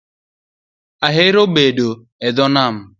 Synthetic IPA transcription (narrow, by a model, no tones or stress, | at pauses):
aɦeɾobedo | ɛdɔnam̩